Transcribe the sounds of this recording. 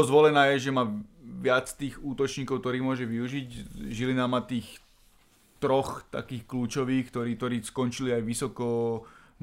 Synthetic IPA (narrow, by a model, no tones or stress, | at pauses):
ɔzʋɔlɛnaːjɛʒɛmaːʋɪat͡st̪iːɣuːt̪ɔt͡ʃɲiːkɔʊkt̪ɔɾiːmʊɔʒɛʋiuʒicʒilinamat̪iːx | t̪ɾɔxt̪a̰kiːxkluːt͡ʃɔʋiːxkt̪ɔɾiːt̪ɔɾiːskɔnt͡ʃiliajʋisɔkɔ